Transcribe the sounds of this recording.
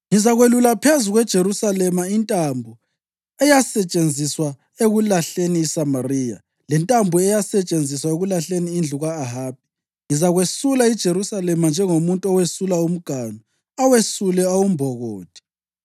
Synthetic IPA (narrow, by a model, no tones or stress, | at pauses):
ŋizaɣwelulapʰezuɣwɛd̥ʒ̥ʱeɾusalɛmaintʼambʱu | ɛjasɛt͡ʃʼend͡zʱiswa | eɣulaɬeniːsamariːja̰ | lɛntʼambʱuɛjasɛt͡ʃʼend͡zʱiswaeɣulaɬeniːnd͡ɮʱuɣaːɦaːb̥̚i̥ | ŋizaɣwesulaid̥ʒ̥ʱeɾusalɛmand͡ʒʱɛŋomuntʼuɔwesulaum̩ɡ̥ʱanu | awesulɛawumbʱɔɣoːd̥ʱʼi̥